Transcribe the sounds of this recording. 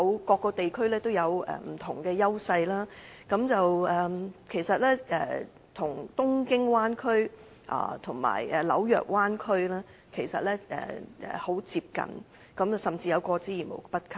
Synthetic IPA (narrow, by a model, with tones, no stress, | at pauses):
ɐ˧wkɔː˧kːɔː˧t̪e˨jkʰɵ˥ɥlɛː˥t̪o˥wjɐ˨˧wɛ̰ː˨˩m̩˨˩t̪ʰʊ˨˩ŋkɛː˧jɐ˥wsɐ˧jlaː˥kɐ˨˥mt͡sɐ˨wɛ˨kʰe˨˩jsɐ˨t̚lɛː˥ɛː˨˩ | t̪ʰʊ˨˩ŋt̪ʊ˥ŋkɪ˥ŋwaː˥nkʰɵ˥ɥ | ʔa̰ː˨˩t̪ʰʊ˨˩ŋma̰ː˨˩jɛ˨˩lɐ̰˨˥wjœ̰ː˨k̚waː˥nkʰɵ˥ɥlaː˥ | kʰe˨˩jsɐ̰˨t̚lɛː˥ʔɛ̰ː˨ʔɛ̰ː˨˩ho˨˥wt͡siː˧p̚kɐ̰˨n | kɐ˨˥mɐ˨˩sɐ˨mt͡siː˧jɐ˨˧wkɔː˧t͡siː˨˥jiː˨˩nmo̰˨˩wpɐ˥t̚kʰɐ˥